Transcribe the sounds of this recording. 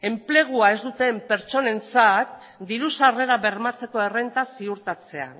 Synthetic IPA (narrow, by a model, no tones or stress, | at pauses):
e̞mple̞ɣ̞uae̞zd̪ut̪e̞mpe̞ɾt͡so̞ne̞nt͡sat̪̚ | d̪iɾusare̞ɾaβe̞ɾmat͡se̞ko̞e̞rent̪asiuɾt̪at͡se̞a̰